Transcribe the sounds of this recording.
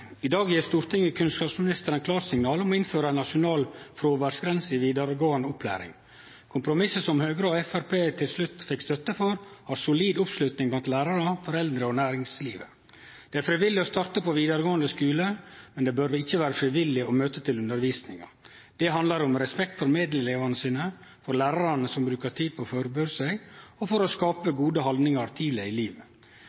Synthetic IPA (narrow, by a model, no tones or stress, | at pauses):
ɪd̪ɑːɡjiːɾst̪uːɾt̪ɪŋəkʰʉnskɑːpsmɪnɪst̪əɾənkʰlɑːɾsɪŋnɑːlɔmɔɪnføːɾəænɑʂʊnɑːlfɾoːʋæːɖsɡɾɛnsɪʋiːd̪ɑɾəɡoːɑnəʊpʰlæ̰ːɾɪ̰ŋ | kʰʊmpɾʊmɪsəsɔmhøːɡɾəɔɛfæɾpʰeːt̪ʰɪlslʉt̪ːfɪkst̪œt̪ːəfɔɾhɑːɾsʊliːd̪ʊpslʉt̪nɪŋblɑnt̪læːɾɑɾəfɔɾɛld̪ɾəɔnæːɾɪŋslḭːʋə̰ | d̪̥ɛæɾfɾɪʋɪlːɪɔst̪ɑɾt̪əpʰɔʋiːd̪ɑɾɡoːənd̪əskʉːləmɛnd̪ɛbœɾʋɪçːəʋæːɾəfɾɪʋɪlːɪɔmøːt̪ət̪ʰɪlʉnd̪əɾʋiːsnɪŋɑ̰ | d̪̥ɛɦɑnd̪lɑɾʊmɾɛspɛkt̪fɔɾmeːd̪ləleːʋɑnəsiːnə | fɔɾlæːɾɑɾɑnəsɔmbɾʉːkəʈʰiːd̪̚pʰɔːføːɾəbøːɾsæɪɡɔfɔɾɔskɑːpəɡuːd̪əhɑld̪nɪŋɑɾt̪ʰiːləɪliːʋə